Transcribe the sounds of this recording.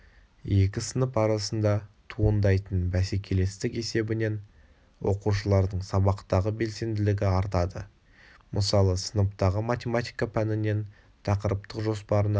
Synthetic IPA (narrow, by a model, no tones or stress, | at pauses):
je̞kʲɪsənəpɑɾɑsənd̪ɑt̪ʰuənd̪ɑjt̪ənbæse̞kʲʰe̞le̞st̪ɪke̞se̞bɪne̞n | wo̞̰quʃ̬əlˠɑɾd̪əɴsɑβɑqt̪ɑʁəbe̞lse̞nd̪ɪlɪɡʲɪɑɾt̪ɑd̪ə | mʔəsɑlˠəsənəpt̪ɑʁəmat̪ʲe̞mat̪ʲijkapʰænɪne̞n | t̪ʰɑqəɾəp̚t̪əqʒo̞spɑɾən